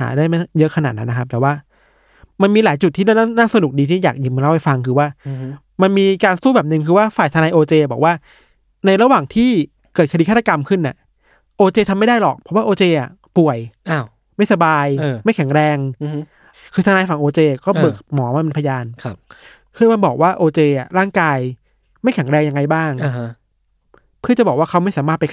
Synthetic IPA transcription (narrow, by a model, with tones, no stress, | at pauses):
ha̰ː˩˦daː˥˩jma˥˩jɤ˦˥ʔkʰa˧na̰ː˨˩na˦˥nːa˦˥kʰaː˦˥˨waː˥˩ | ma˧nmiː˧laː˨˩˦jt͡ɕu˨˩t̪ʰːiː˥na˥˩˥naː˥˩sa˧nu˨˩k̚diː˧t̪ʰiː˥˩ja̰ː˨˩k̚ji˨˧˦ma˧la˥˩pa˧˩jfa˧ŋkʰɯː˧waː˥˩ | ma˧nmiː˧kaː˧nsuː˥˩bɛː˨˩p̚nɯ˨˧ŋkʰɯː˧waː˥˩faː˨˩jt̪ʰa˧naː˧jʔoː˧t͡ɕeː˧bɔː˨˩k̚waː˥˩ | na˧jɾa˧waː˨˩ŋt̪ʰiː˥˩ | kɤː˨˩t̪̚kʰi˧kʰa˥˩t̪ʰːa˧ka˧mkʰɯ˥˩nːʔa̰˨˩ | ʔoː˧t͡ɕeː˧t̪ʰa˧mːa˥˩jda˥˩jlɔ̰˨˩k̚pʰɔ˦˥waː˥˩ʔoː˧t͡ɕeː˧ʔa̰˨˩ | pu˨˩əja˧ | ma˥˩jsa˧baː˧jma˥˩jkʰɛ˨˩˦ŋɾɛː˧ŋ˦ | kʰɯː˧a˧naː˧jfa˨˩ŋʔoː˧t͡ɕeː˧˨˩kɔː˥˩bɯː˨˩k̚mɔː˩˦ma˧ma˧npʰa˧jaː˧nʰ˧ | pʰɯ˥˩əma˧nbɔː˨˩k̚waː˥˩ʔoː˧t͡ɕeː˧ʔa̰˨˩ɾaː˥˩ŋkaː˧j | ma˥˩jkʰɛ˨˩˦ŋɾɛː˧ŋja˧ŋːa˧jbaː˥˩ŋ˧˦ | pʰɯ˥˩t͡ɕa˨˩bɔː˨˩kwaː˥˩kʰa˦˥wma˥˩jsaː˩˦maː˥˩t̪pa˧